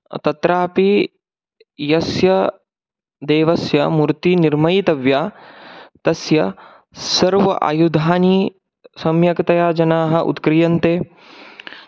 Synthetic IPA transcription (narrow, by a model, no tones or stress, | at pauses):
t̪ɐt̪ɾaːpi | jɐsjɐ | d̪eːʋɐsjɐmuɾt̪iniɾmɐjit̪ɐʋjaː | t̪ɐsjɐ | sɐɾʋɐ̰ʔa̰jud̪ʱaːni | sɐmjɐkt̪ɐjaːd͡ʒɐnaːɦɐʔṵt̪kɾijɐnt̪eː